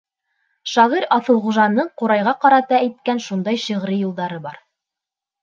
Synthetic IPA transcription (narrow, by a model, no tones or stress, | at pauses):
ʃɑʁiɾɑθɤ̆lˠχuʒɑnːɤɴquɾɑjʁɑqɑɾɑt̪ɑæjt̪̚kænʃund̪ɑjʃɤ̆ʁɾɘjulˠd̪ɑɾɤbɑɾ